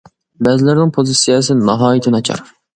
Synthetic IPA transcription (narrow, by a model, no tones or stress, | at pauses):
bɛzɪlɪɾnɪŋpʰozɨsijɛs̬ɨnɑɦɑːjit̪ʰɪnɑt͡ʃʰɑ̰ɾ